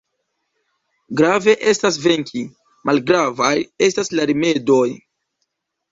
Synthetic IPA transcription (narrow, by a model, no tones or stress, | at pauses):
ɡɾave̞ʔe̞stas̬ve̞ŋkʰʲi | mʔalɡɾavaje̞staslaɾime̞do̞j